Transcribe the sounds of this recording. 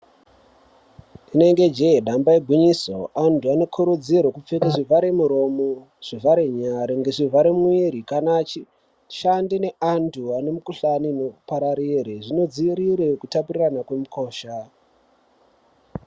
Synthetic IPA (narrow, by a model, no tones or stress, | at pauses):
ine̞ŋɡe̞d͡ʒeeɗambaeɡʱwiɲiso̰antʰuane̞kʰuɾud͡ziɾwekup͡fekaʐivaɾemuɾo̞mo | ʐ̥ivaɾeɲaɾiŋɡe̞ʐivʱaɾemuiɾikanat͡ʃi | ʃandine̞antʰuane̞mukuɬaninopaɾaɾiɾeʐino̞d͡ziiɾiɾe̞kutapuriranakwe̞muko̞ːʃa